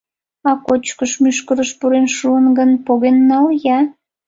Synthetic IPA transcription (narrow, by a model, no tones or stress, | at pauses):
ɑkot͡ɕkəʃmyʃkəɾəʃpuɾenʃuənɡənpoɣenːɑljɑ